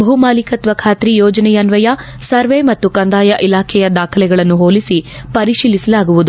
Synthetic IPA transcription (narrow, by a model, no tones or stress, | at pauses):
bʱɐumaːlikɐt̪ʋɐkʰaːt̪ɾijɔːd͡ʒɐnɛjɐnʋɐjɐ | sɐɾʋemɐt̪ːukɐnd̪aːjɐʔilaːkʰɛjɐd̪aːkʰɐlɛɡɐɭɐnːuɦoːlisipɐɾiʃiːlisɐlaːɡuʋud̪u